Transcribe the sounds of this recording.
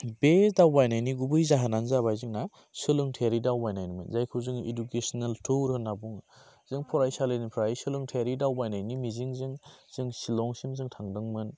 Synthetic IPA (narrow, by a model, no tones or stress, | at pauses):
besdawbajnajniɡubɯjzaɦananzaβajzɯŋna | sɯlɯŋtʰeɾidawbajnajnimɯnzajkʰɯwzɯŋḛdukesnaltʰuɾhɯnːabuŋ | z̥ɯŋpʰɔɾajsalenipʰɾajsɯlɯŋtʰeɾidawbajnajnimiziŋzɯŋz̥ɯŋsilɔŋsimzɯŋtʰaŋdɯŋmɯn